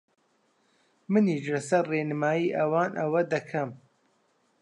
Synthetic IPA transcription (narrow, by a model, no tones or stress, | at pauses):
mɨniʃlɐsɐɾreːnɨmaːjiːʔɐwaːnʔɐwɐd̪ɐkʰɐm